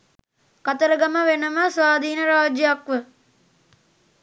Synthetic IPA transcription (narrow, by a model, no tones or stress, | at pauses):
kat̪əɾəɡɐməʋenəməsʋaːd̪ʱiːnəɾaːd͡ʒjakʋə